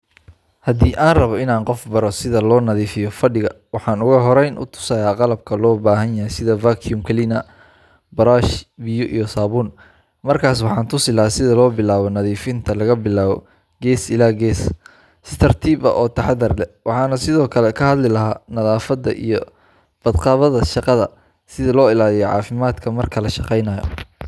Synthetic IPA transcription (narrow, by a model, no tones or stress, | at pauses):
hɐd̪iːʔaːnrɐβɔɪnaːŋqɔfbɐɾɔsɪðɐlɔːnɐðiːfɪjɔfɐɖɪɣɐwɑħɑːnʊɣɐɦɔɾɛjnʔʊ̰t̪ʰʊ̥saːjaːqɑlɐb̚kʰɐlɔːbaːɦɐnjɐhɛjsɪðɐvaːkʰjumkʰɐlɪnɐ | bɐɾaːʃbɪjɔʔḭjɔsaːβuːn | mɐrkʰaːs̬wɑħɑːnt̪ʰʊsɪlɐhaːsɪðɐlɔːbɪlaːβɔnɐðiːfɪnt̪ʰɐlɐɣɐbɪlaːβɔ̰ | ɡɛːsɪlaːɡɛːs | st̪ʰɐrt̪ʰiːbɐ̰ʔɔːt̪ʰɐħɑd̪ɐrlɛwɑħɑːnɐsɪðɔːkʰɐlɛkʰɐhɐd̪lɪlɐɦaːnɐðaːfɐd̪ɐ̰ʔḭjɔ | b̥ɐd̪qɑːβɐðɐʃɑqɑðɐ | sɪðɐlɔːɪlaːlɪjɔʕɑ̰ːfɪmaːd̪kʰɐmɐrkʰɐlɐʃɑqɛjnɐjɔ̰